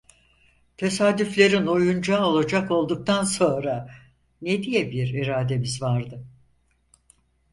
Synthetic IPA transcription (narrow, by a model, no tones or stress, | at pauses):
t̪ʰe̞saːd̪yflʲe̞ɾino̞jund͡ʒao̞lˠad͡ʒako̞lˠd̪uk̚t̪ʰanso̞nɾa | ned̪ijɛbiɾiɾaːd̪ebizvaɾd̪ɯ